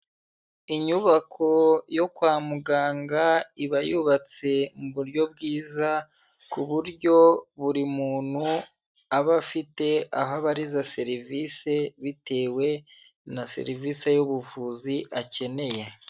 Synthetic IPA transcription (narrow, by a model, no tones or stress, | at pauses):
iɲuβakʰo̞jo̞kwaːmuɡaːŋɡaiβajuβat͡se̞muβuɾɟo̞bɡiːza | kuβuɾɟo̞βuɾimuːn̥hu | aβafite̞a̰ɦaβaɾizase̞ɾivise̞βite̞ːwe̞ | nasḛɾivisejuβuvuziʔace̞ne̞je